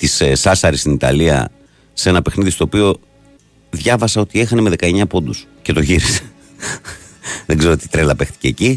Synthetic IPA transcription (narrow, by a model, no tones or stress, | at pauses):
t̪issɐsɐɾist̪init̪ɐ̰liɐ̰ | se̞nɐpe̞xniðist̪o̞ːpio̞ | ðʝɐvɐsɐo̞t̪ie̞xɐneme̞ðe̞kɐe̞ɲɐpo̞nd̪us | ce̞t̪o̞ʝiɾise̥ | ðeɡze̞ɾoot̪it̪ɾelɐpe̞xt̪i̥ce̞ːci